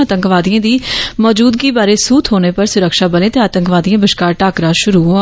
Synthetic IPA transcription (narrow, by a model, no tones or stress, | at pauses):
at̪əŋkʋaːd̪ijãːd̪iːmɔːd͡ʒuːd̪̚ɡiːbaːɾeːsuːt̪ʰɦoːneːpəɾsʊɾəkʃaːbəlẽːt̪eaːt̪əŋkʋaːd̪ijãːbɪʃkaːɾʈaːkɾaːʃʊɾuːɦo